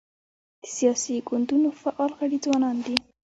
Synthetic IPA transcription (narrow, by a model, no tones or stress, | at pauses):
d̪̥ə̥sijɑsiɡʊnd̪unofaʔɑlɣaɽid͡zwɑnɑnd̪i